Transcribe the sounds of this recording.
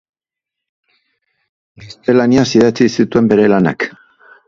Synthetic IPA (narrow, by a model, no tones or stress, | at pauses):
ɡast̪e̞laniasiðat͡sisit̪ue̞mbe̞ɾe̞lana̰k